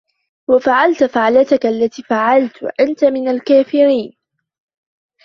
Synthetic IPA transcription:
wafaʕalt̪faʕlat̪akʔalːat̪iːfaʕalt̪wʔant̪amɪnalkaːfɪɾiːn

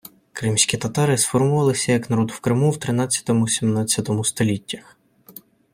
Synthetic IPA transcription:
kɾɪmsʲkʲit̪ɐt̪ɑɾɪsfɔrmʊʋɑlˠɪsʲɐjɐknɐɾɔd̪wkɾɪmuwt̪ɾɪnɑt͡sʲːɐ̥t̪ɔmʊsʲimnɑt͡sʲːɐt̪ɔmʊst̪ɔlʲitʲːɐx

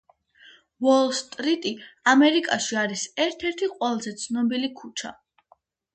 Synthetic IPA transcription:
wɔlst̪ʼɾit̪ʼiamɛɾikʼaʃiaɾisɛɾt̪ʰɛɾt̪ʰiqʼwɛlˠzɛt̪sʰnɔbilikʰut͡ʃʰa̰

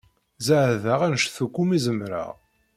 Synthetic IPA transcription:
zəʕðaʁænʃθukːumizəmɾa̰ʁ

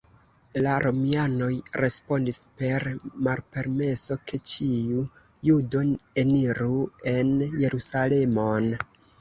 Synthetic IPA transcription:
laɾʔo̞miano̞jɾe̞spo̞ndispe̞ɾmalpe̞ɾme̞so̞kʰe̞t͡ʃiu | judo̞ne̞niɾue̞nje̞ɾusale̞mo̞n

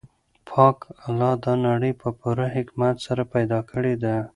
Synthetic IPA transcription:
pʰɑkalɑd̪ɑnaɽəjpəpuɾaɦɪkmat̪saɾapajd̪ɑkʰəɽed̪a

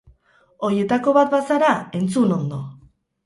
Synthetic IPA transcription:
o̞ɾie̞t̪ako̞βat̪̚basaɾae̞nt͡suno̞nd̪o̞

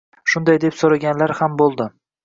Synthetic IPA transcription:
ʃʊnd̪ajd̪e̞psoɾaɡʲanlaɾhambolˠd̪ɪ

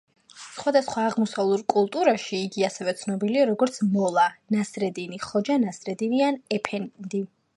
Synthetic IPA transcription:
sχwad̪asχwaːʁmɔsavlˠuɾkʼulˠt̪ʼuɾaʃiːɡiasɛvɛt̪sʰnɔbiliaɾɔɡɔɾt̪sʰmɔlˠanasɾɛd̪iniχɔd͡ʒanasɾɛd̪inianɛpʰɛnd̪i

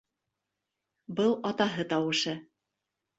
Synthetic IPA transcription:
bɤlˠɑt̪ɑɦɤt̪ɑwɤ̆ʃɤ

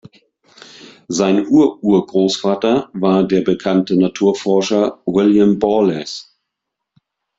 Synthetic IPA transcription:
zaɪnʔuːɐʔuːɐɡʁoːsfaːtɐvaːɐdeːɐbəkʰantənatʰuːɐfɔɐʃɐwɪljambɔlɛs

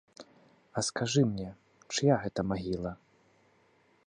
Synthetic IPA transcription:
ɐskaʐɨmnʲɛ | t͡ʂɨjaɣɛt̪ɐmaɣʲilˠɐ

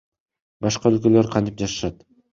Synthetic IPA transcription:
bɑʃqɑølkø̞lø̞ɾqʰɑnt̪i̥p̚d͡ʒɑʃɯ̥ʃɑt̪

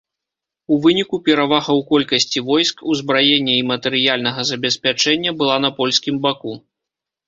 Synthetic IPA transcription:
uvɨnʲikupʲɛɾavaɣɐwkɔlʲkɐsʲt͡sʲivɔjskuzbɾajɛnʲːɐimɐt̪ɛɾɨjalʲn̪ɐɣɐzɐbʲɛsʲpʲat͡ʂɛnʲːɐbɨlˠan̪ɐpɔlʲsʲkʲimbaku

